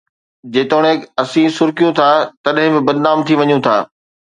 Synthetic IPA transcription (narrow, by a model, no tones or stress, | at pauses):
d͡ʑeːt̪oːɽ̃eːkɐsĩsʊɾkijũt̪ʰat̪ɐɗɦɪ̃bɪ̃bɐd̪naːmt̪ʰiʋɐɲũt̪ʰaː